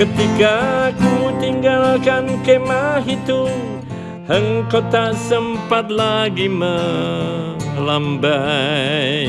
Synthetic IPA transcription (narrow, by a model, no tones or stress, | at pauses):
kət̪ikakut̪iŋɡalkankemaɦit̪u | həŋkot̪asəmpat̪̚laɡimə | lambajj